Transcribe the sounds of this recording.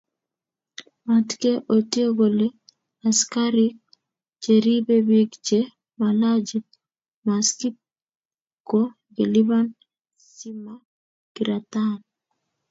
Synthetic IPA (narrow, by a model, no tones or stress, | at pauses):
matkeʔotioɡole | askaɾik̚ | d͡ʒeɾibebikt͡ʃe | malad͡ʒi | maskit̚ | ko | ɡeliβan | sima | ɡ̥iɾat̪an